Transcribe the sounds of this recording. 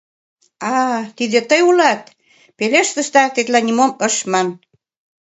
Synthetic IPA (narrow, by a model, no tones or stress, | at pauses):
ɑt̪id̪ĕt̪əjulɑt̪̚ | peleʃt̪ə̆ʃt̪ɑt̪et̪lænʲimomə̆ʃmɑn